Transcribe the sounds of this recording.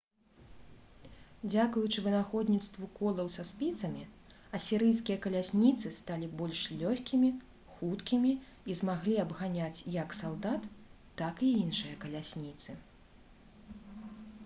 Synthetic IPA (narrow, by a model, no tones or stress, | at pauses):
d͡zʲakujut͡ʂɨvɨnaxɔd̪ʲnʲit̪st̪vukɔlˠɐwsaspʲit̪sɐmʲi | ɐsʲiɾɨjskʲijɐkɐlʲasʲnʲit̪sɨst̪alʲibɔlʲʂlʲɔxʲkʲimʲi | xut̪kʲimʲi | izmaɣlʲiɐbɣanʲat͡sʲjɐksalˠd̪at̪ː | akiinʂɨjɐkɐlʲasʲnʲit̪sɨ